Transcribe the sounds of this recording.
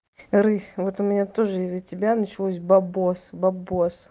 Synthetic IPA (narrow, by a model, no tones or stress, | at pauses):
ɾɨsʲvo̞t̪ʊmʲɪnʲat̪o̞ʐɨɪzːətʲɪbʲanət͡ɕɪlˠosʲbɐbosbɐbos